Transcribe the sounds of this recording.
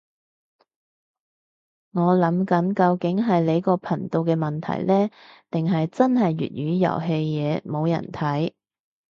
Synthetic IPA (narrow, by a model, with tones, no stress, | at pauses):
ŋɔː˨˧lɐ˨˥mkɐ˨˥nkɐ˧wkɪ˨˥ŋɦɐ˨jle˨˧˥jkɔː˧pʰɐ˨˩nt̪o˧wkɛː˧mɐ˨nt̪ʰɐ̰˨˩jlɛː˥t̪ɪ˨ŋɦɐ˨jt͡sɐ˥nɦɐ˨jːy̰˨t̚ɥyː˨˧jɐ̰˨˩wɦe˧jːɛː˨˧mo˨˧wjɐ̰˨˩nt̪ʰɐ˨˥j